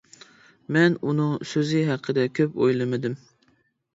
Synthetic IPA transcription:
mɛnunɨŋsøzɪɦɑqʰːəd̪ɛkʲʰøpo̰jlˠɨmɨd̪ɪm

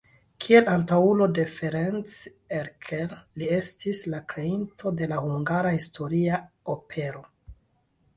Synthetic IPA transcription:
kʰie̞lantaulo̞de̞feɾent͡s | eɾkʰellie̞stislakɾe̞intʰo̞de̞lahuŋɡaɾahistʰo̞ɾiaopʰe̞ɾo̞

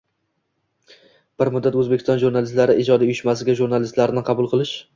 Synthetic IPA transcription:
b̥ɪɾmʊd̪ːat̪ɵzbekʲʰɪst̪ɒnʒuɾnalɪst̪laɾɪʔɪd͡ʒɒd̪aʊjɪʃmasɪɡʲaʒuɾnalɪst̪laɾɪnɪqʰɑbʊlˠqʰɨlˠɪʃ

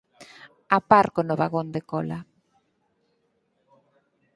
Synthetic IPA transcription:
apaɾkonoβaɣond̪ekɔla

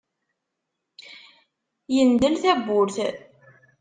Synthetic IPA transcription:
jənd̪əlθæbʊɾθ

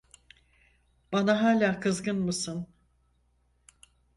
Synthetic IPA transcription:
b̥anaɦaːlʲaːkʰɯzɡɯnmɯsɯn

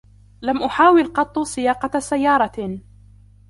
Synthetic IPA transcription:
lamʔʊħaːwɪlqɑt̪ˤːusɪjɑːqɑsajːɑːɾˤɑ

